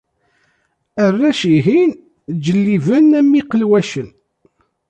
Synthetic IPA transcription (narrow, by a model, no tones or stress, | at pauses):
ərːæʃiɦin | d͡ʒəlːivənæmːiqəlwæʃən